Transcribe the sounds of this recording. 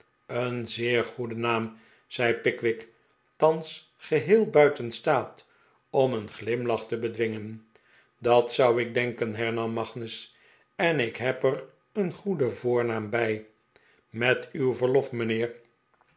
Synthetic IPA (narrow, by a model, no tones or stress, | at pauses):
ənzɪːɹχudənaːm | z̥ɛjpɪkʋɪk | tɑns | χəɦɪːlˠbœɥtənstaːt | ɔmənχlɪmlɑχtəbədʋɪŋən | dɑtsʌwɪɡ̚dɛŋkənɦɛɹnɑmːɑχnəs | ɛnɪkɦɛpər | ənχudəvʊːɹnaːmbɛj | mɛtywvəɹlɔfmənɪːɹ